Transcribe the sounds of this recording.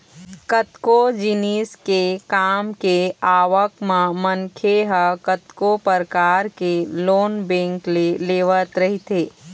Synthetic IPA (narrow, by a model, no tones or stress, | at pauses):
kət̪kod͡ʒɪniːskekaːmkeaːʋəkmãmɐnkʰeɦəkət̪kopəɾkaːɾkeloːnbẽːŋkleleːʋət̪ɾɐɦit̪eː